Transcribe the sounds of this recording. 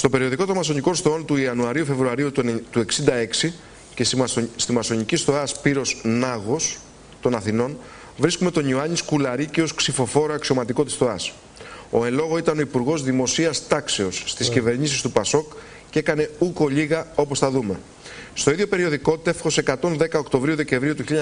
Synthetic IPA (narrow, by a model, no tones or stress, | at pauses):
st̪o̞pe̞ɾio̞ðiko̞t̪omɐso̞ɲiko̞nst̪oo̞nt̪uiɐnuɐɾiufe̞vɾuɐɾiut̪ue̞ksind̪ɐe̞ksi | cest̪imɐso̞ɲicisθo̞ɐspiɾo̞snɐɣo̞s | t̪o̞nɐθino̞n | vɾiskume̞t̪o̞ɲioɐɲiskulɐɾiceo̞sksifo̞fo̞ɾɐɐksio̞mɐt̪iko̞t̪i̥sθo̞ɐs | o̞e̞lo̞ɣo̞it̪ɐno̞ipuɾɣo̞zðimo̞siɐst̪ɐkse̞o̞sːt̪iscive̞ɾɲisist̪upɐso̞k | ce̞kɐne̞uko̞ʎiɣɐo̞po̞sθɐðume̞ | st̪o̞iðjo̞pe̞ɾio̞ðiko̞t̪it̪ɐefxo̞seːkɐt̪o̞nðe̞kɐo̞kt̪o̞vɾiuðe̞ce̞ɱvɾiut̪uçiʎi